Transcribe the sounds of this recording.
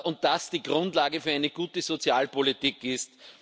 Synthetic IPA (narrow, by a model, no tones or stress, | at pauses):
ʔʊnt̚d̥asd̥iːɡʁʊ̃ntlaːɡəfyːɐæɪnəɡ̥uːtəzot͡sjaːlpolitiːkɪst